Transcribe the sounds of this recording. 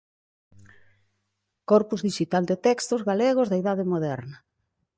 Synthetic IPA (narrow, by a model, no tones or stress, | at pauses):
kɔɾpuzðiʃit̪ald̪et̪ɛkst̪ozɣaleɣ̞ozðaiðaðemoðɛɾnɐ